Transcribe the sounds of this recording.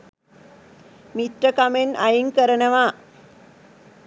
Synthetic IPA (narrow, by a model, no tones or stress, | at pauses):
mit̪rəkamenajiŋkəɾənəʋaː